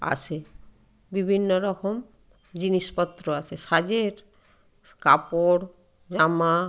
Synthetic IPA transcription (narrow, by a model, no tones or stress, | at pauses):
a̰t͡ɕʰe | bibʱinːoɾɔkʰom | d͡ʑiniʃpɔt̪ːɾoat͡ɕʰeʃad͡ʑeɾ | ka̰poɽ | d͡ʑama